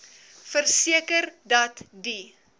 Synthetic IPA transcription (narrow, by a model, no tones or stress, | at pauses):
fərsiəkərdɐtdi